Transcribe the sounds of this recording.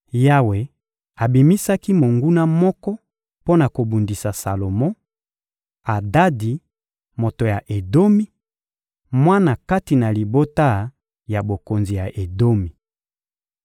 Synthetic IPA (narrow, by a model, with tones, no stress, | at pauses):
ja˦we˨ | a˨bi˨mi˦sa˦ki˦mo˨ŋɡu˦na˦mɔ˦kɔ˦ | po˦na˨ko˨bu˨ndi˨sa˨sa˨lo˨mɔ̃˦ | a˨da˦di˨ | mo˨to˨ja˨ʔe˨do˦mi˦ | mwa˦na˨ka˦ti˨na˨li˨bo˦ta˦ | ja˨bo˨ko˨nzi˨ja˨ʔe˨do˦mi˨